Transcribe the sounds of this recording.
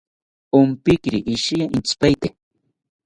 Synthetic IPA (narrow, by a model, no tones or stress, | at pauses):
ʊmpɪkɾɪʔːʃijaint͡ʃpajt̪e